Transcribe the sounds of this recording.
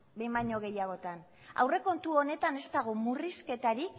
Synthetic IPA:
bejmajɲo̞ɣ̞e̞jaɣ̞o̞t̪an | a̰wre̞ko̞nt̪uo̞ne̞t̪ane̞st̪aɣ̞omuriske̞t̪aɾi

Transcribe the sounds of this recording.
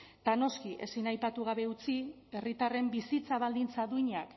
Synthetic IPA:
t̪ano̞skiʔe̞̰sinajpat̪uɣ̞aβe̞ut͡si | e̞rit̪are̞mbisit͡saβald̪int͡saðuiɲak

